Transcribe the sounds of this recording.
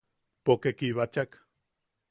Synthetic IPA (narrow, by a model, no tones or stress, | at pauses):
pokekiβat͡ʃak